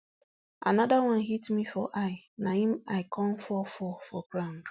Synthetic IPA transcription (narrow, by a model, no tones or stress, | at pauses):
a̰nadawãnɦitmifɔʔaɪnahĩmaɪkʰɔ̃mfɔfɔfɔɡɾãʊ̃nd